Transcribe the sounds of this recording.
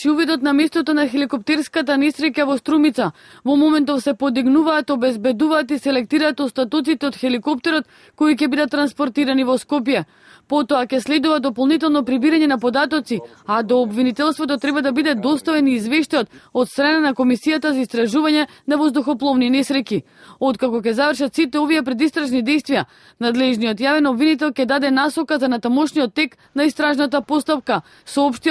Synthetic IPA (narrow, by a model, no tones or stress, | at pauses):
t͡ʃiuvid̪ɔt̪namɛst̪ɔt̪ɔnaxɛlikɔp̚t̪ɛɾskat̪anɛsɾɛkavɔst̪ɾumit̪sa | vɔmomɛnt̪̬ɔfsɛpod̪iɡnuvaːt̪ɔbɛzbɛd̪uvaːt̪isɛlɛk̚t̪iɾaːt̪ɔst̪at̪ut̪it̪ɛot̪xɛlikɔp̚t̪ɛɾɔt̪ | koicɛbid̪at̪ːɾanspɔɾt̪iɾanivɔskɔpjɛ | pot̪ɔakɛslɛd̪uvad̪ɔpolˠnit̪ɛlˠnɔpɾibiɾaɲɛnapɔd̪at̪ɔt̪si | ad̪ɔːbvinit̪ɛlˠst̪vot̪ɔt̪ɾɛbad̪abid̪ɛd̪ɔst̪avɛniːzvɛʃt̪ajɔt̪ot̪st̪ɾananakomisijat̪azaist̪ɾaʒuvaɲɛnavozd̪uxɔplˠɔvninɛsɾɛki | ot̪̚kakɔk̬ɛzavrʃat̪sit̪ɛovijɛpɾɛd̪ist̪ɾaʒnid̪ɛjst̪vija | nad̪lɛʒnijɔt̪javɛnɔbvinit̪ɛlˠkʲɛd̪ad̪ɛnasɔkazanat̪amɔʃnijɔt̪ːɛk | naist̪ɾaʒnat̪̬apɔst̪apka | sɔɔpʃt̪i